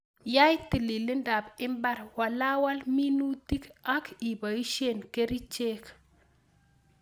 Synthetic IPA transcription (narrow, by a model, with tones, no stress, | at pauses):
ja˦jti˨li˨li˦nda˨bɪ˦mba˦ɾwa˨la˦wa˦lmi˦nu˦ti˦ka˦ki˨ba˨i˦ʃe˦˨nke˦ɾi˦t͡ʃe˦k